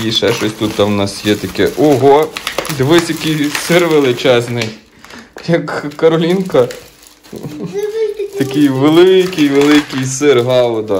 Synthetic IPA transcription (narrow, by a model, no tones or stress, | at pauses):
iʃɛʃɔsʲt̪ut̪t̪ːɑwnɑsjɛt̪ɐkɛʔɔɦɔd̪ʋɪsʲɐkɪjsɪrʋelˠɪt͡ʃɛznɪj | jɐkːɐɾɔlʲinkɐ | t̪ɐkɪjʋelˠɪkɪjʋelˠɪkɪjsɪrɦɑlˠɔd̪ɐ